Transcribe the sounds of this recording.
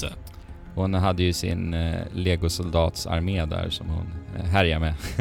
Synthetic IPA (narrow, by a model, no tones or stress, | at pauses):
hʊnɦad̪ːəjɵsɪ̰nleːɡʊsʊld̪ɑːt̪sa̰ɾmeːd̪æ̰ɾʂɔmhʊ̰nɦæɾjamɛ